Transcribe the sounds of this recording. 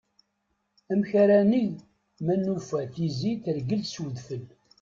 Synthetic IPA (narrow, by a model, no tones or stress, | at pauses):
æmçaɾæniʝ | mænːufæθiziθəɾɡəlswəðfəl